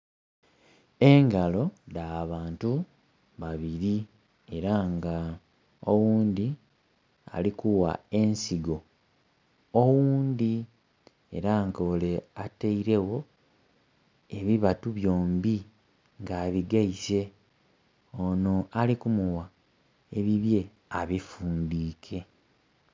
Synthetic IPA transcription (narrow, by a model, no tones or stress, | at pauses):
eŋɡalo̞daβaːntu | βaβiɾi | e̞ɾaŋɡa | owuːnd̪i | a̰likuwa̰e̞nsiɡo̞ | owuːnd̪i | e̞̰ɾaŋɡoleateiɾe̞wo̞ | e̞βiβatuβjo̞ːmbi | ŋɡaːβiɡaise̞ | ono̞alikumuwa | e̞βiβje̞ | aβifuːndiːkʰe̞